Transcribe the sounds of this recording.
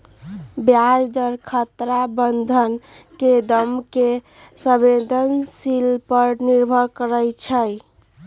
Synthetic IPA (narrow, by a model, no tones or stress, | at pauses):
bjad͡ʒd̪əɾkʰət̪ɾabənd̪ʱənked̪əmke | səbed̪ʱənsilpəɾniɾbʱəɾkəɾət͡ʃʰəj